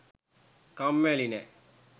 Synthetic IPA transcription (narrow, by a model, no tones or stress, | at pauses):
kamːelinɛ̰